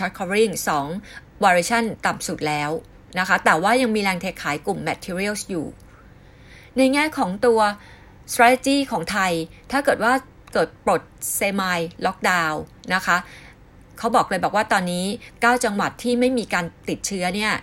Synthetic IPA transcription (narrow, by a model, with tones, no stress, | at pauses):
t͡ɕʰa˦˥kʰɔː˧ɾi˥˩ŋsɔː˩˦ŋ | waː˧ɾiː˧t͡ɕʰa˥˩nt̪a˨˩msu˨˩t̪̚lɛː˦˥w | na˦˥kʰa˦˥t̪ɛː˨˩waː˥˩ja˧ŋmiː˧ɾɛː˧ŋt̪ʰeː˦˥kʰːaː˩˦jku˨˩mːɛ˦˥t̪ʰiː˧ɾi˥ə˥˩wsjṵː˨˩ | na˧jŋɛː˥˩kʰɔː˩˦ŋt̪u˧ɐ | st̪ɾaː˧˦˥t̪ʰe˧t͡ɕiː˥˩kʰɔː˩˦ŋt̪ʰa˧jt̪ʰaː˥˩kɤː˨˩t̪̚waː˥˩ | kɤː˨˩t̪̚pɾo˨˩t̪̚seː˧ma˧jlɔ˦˥k̚daː˧wna˦˥kʰa˦˥ | kʰa˦˥wbɔː˨˩klɤː˧jbɔː˨˩k̚waː˥˩t̪ɔː˧nːiː˦˥kaː˥˩wt͡ɕa˧ŋwa˨˩t̪ʰːiː˥˩ma˥˩jmiː˧kaː˧nt̪i˨˩t̪̚t͡ɕʰɯ˦˥ɐni˥˩ɐ